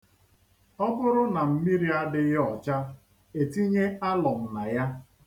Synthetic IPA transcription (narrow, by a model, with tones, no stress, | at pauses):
ɔ˦bʊ˦ɾʊ˦na˨m̩˦mi˦ɾi˨a˦dɪ˦ɣɔ˨t͡ʃa˦ | e˨ti˦ɲe˦a˦lɔ˨m̩˨na˨ja˦